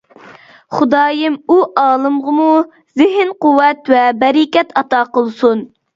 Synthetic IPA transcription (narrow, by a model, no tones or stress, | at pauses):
χʊd̪ɑːjɪmuʔɑːlˠɨmʁəmu | zɪɦɪnquwːɛt̪wɛbɛɾɪkʲɛt̪ʰɑt̪ɑːqəlˠsun